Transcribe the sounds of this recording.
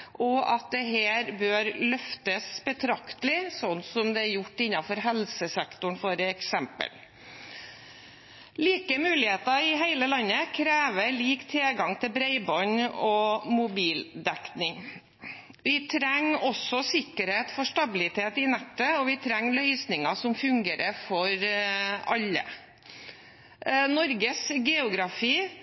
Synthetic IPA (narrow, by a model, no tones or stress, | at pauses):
ʔɔɑt̪̚d̪ɛɦeːɾbøːɾlœft̪əsbət̪ʰɾɑkt̪əlɪsɔnːsɔmd̪ɛæɾjʊʈːɪnːɑfɔɾɦɛlsəsɛkt̪ʊɳfoːɾəɛksɛmpə̰l | liːkəmʉːlɪheːt̪ɑɪɦæɪləlɑnːəkʰɾeːʋəɭiːkt̪ʰeːɡɑŋt̪ʰɪlbɾeɪbɔnɔmʊbiːld̪ɛknɪŋ | ʋɪt̪ʰɾɛŋɔsɔsɪkəɾheːt̪fɔʂʈɑbɪlɪt̪ʰeːt̪ɪnæʈ̪ːəɔʋɪt̪ʰɾɛŋːlœʏsnɪŋɑsɔmfʉŋɡeːɾəfɔɾ | ɑlːə̰ | nɔɾɡəsɡɛʊɡɾɑfiː